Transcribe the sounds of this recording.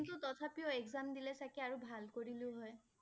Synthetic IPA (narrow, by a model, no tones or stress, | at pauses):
nt̪ut̪ɔt̪ʰapijɔekzamd̪ilɛsakiaɹubʱalkoɹilʊɦɔj